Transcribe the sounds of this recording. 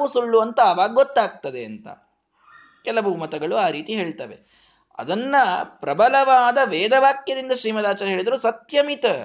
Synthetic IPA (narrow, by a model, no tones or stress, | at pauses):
usuɭːuʋɐnt̪ɐːʋaːɡɐɡot̪ːaːɡ̚t̪ɐd̪eɐnt̪ɐ̰ | kɛlɐbumɐt̪ɐɡɐɭuaːɾiːt̪iɦe̞ːɭt̪ɐʋe | ɐ̰d̪ɐnːɐpɾɐbɐlɐʋaːd̪ɐʋɛːd̪ɐʋaːkjɐd̪ind̪ɐʃɾiːmɐd̪aːt͡ʃaːɾɐɦeːɭid̪ɐɾuːsɐt̪jɐmit̪ɐ